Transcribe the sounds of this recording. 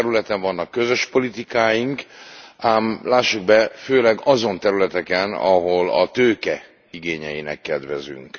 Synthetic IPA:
ɾylɛt̪ɛɱvɒnːɒkːø̞zø̞ʃpo̞lit̪ikaːjiŋkaːmlaːʃːuɡbɛføːlɛɡɒzo̞nt̪ɛɾylɛt̪ɛkɛnɒɦo̞lɒ̰t̪øːkɛ | iɡeːɲɛjinɛ̰kːɛd̪ʋɛzy̰ŋk

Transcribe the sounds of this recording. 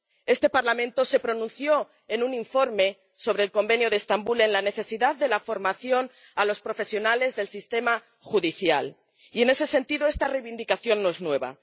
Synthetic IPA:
e̞st̪e̞paɾlamẽ̞nt̪o̞se̞pɾo̞nũnθjo̞ | enunĩɱfo̞ɾme̞ | so̞β̞ɾe̞ːlko̞mbe̞njoðest̪ambule̞nlane̞θe̞siðaððe̞lafo̞ɾmaθjo̞n | alo̞spɾo̞fe̞sjo̞nale̞zðe̞lsist̪e̞ma | xuðiθjal | ie̞ne̞se̞se̞nt̪iðoe̞st̪arejβind̪ikaθjo̞nːoe̞znwe̞βa̰

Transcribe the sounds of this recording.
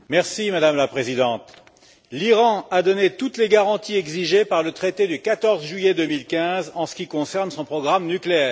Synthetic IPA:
mɛʁsimad̪amlapχezid̪ɑ̃t̪ | liʁɑ̃ad̪ɔnet̪ut̪leɡaʁɑ̃t̪iɛɡziʒepaʁlət̪χet̪ed̪ykat̪ɔʁzʒɥyjed̪əmilkʲɛ̃zɑ̃sə̥kʲikɔ̃sɛʁnsɔ̃pχɔɡʁamnykleɛːʁ

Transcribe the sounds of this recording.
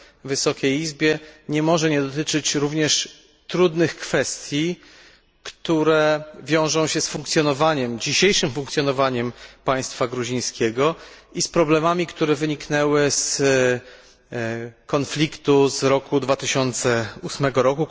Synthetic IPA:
vɘsɔkʲejizbʲjɛɲɛmɔʐɛɲɛd̪ɔt̪ɘt͡ʂɘt͡ɕɾuvɲɛʂ | t̪ɾud̪nɘxkfɛst̪ʲji | kt̪uɾɛvʲjɔ̃w̃ʐɔ̃w̃ɕɛsfuŋk̚t̪sʲjɔnɔvaɲɛmd͡ʑiɕejʂɘmfuŋk̚t̪sjɔnɔvaɲɛmpaj̃st̪faɡɾuʑĩj̃skʲɛɡɔʔispɾɔblɛmamʲikt̪uɾɛvɘɲiknɛwɘs | kɔnflʲikt̪uzɾɔkud̪vat̪ɘɕɔnt̪sɛusmɛɡɔɾɔku

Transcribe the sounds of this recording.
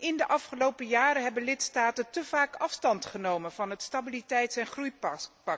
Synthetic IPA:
ʔɪndəʔɑfχəlowpəjaːɾəɦɛbənlɪtstaːtəntəv̥aːkɑfstɑntχənowmənvɑnɦətstabilitɛjtsɛnχrujpɑk

